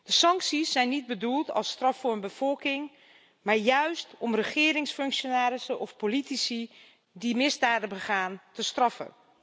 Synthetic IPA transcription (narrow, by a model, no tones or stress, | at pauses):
d̥əsɑŋksisːɛjnːid̚bədulˠtɑ̰lˠstrɑfʊːənbəvɔlˠkɪŋ | maːɹjœɥstɔmrəχɪːɾɪŋsfɵŋkʃonaːɾɪsəʔɔfpolitisi | dimɪzdaːdəbəχaːntəstrɑfə̰